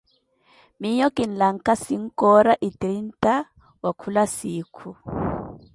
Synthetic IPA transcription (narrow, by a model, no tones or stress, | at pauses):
miɲɔkʼin̩laŋ̩kasiŋ̩kɔɾaʔitɾin̩ta | wakʰulasiːkʰu